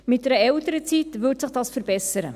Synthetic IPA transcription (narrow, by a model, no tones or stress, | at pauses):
mɪt̚dɛɾəɛltəɾət͡sitvʏːtsɪχd̥ɑːsfəɾbɛsəɾə̰